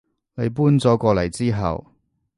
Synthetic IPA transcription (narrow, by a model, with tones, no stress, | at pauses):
ne˨˧jp̬uː˥nt͡sɔː˨˥kʷɔː˧lɐ˨˩jt͡siː˥ɦɐ̰˨w